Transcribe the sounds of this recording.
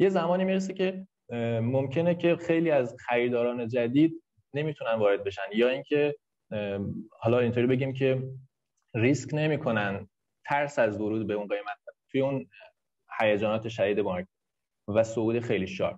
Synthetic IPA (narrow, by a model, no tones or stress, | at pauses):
je̞zæmɒːniːmiɾes̬ecʰe̞ | momcʰe̞ne̞cʰe̞xe̞jliːæzxæɾiːɾd̪ɒːɾɒːne̞d͡ʒæd̪iːd̪̚ | ne̞mit̪ʰunænvɒːɾe̞d̪̚be̞ʃænjɒːiŋcʰe̞ | hɒːlɒint̪ʰoɾibe̞ɟʲiːmcʰe̞ | riskne̞miːkʰo̞næn | t̪ʰæɾsæzvoɾuːd̪̚be̞unɡejmæt̪̚t̪ʰujeun | hæjæd͡ʒɒːnɒːt̪ʰe̞ʃæd̪iːd̪e̞bɒɾk̚ | væsouːd̪exejliːʃɒ̰ːɾ